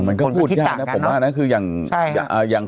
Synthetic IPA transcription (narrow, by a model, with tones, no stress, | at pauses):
ŋma˧nkɔ˥˧˩pʰuː˥˩˥a˥˨˧a˦˥pʰo˩˦mwaː˥˧˨na˦˥˩kʰɯː˧jaː˨˩ŋ˥a˨˧˩ʔəː˨˩jaː˨˩ŋ